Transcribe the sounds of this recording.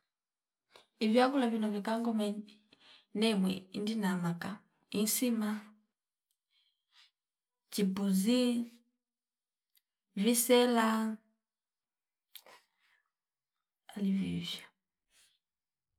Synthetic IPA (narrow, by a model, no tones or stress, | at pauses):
ivjakulavinɔvikaŋɡɔmɛ | nɛmwɛindinamaka | insima | t͡ʃibuzi | visɛla | alivivja